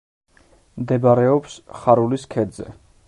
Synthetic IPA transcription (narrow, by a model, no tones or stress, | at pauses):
md̪ɛbaɾɛɔpsχaɾuliskʰɛd̪zɛ̰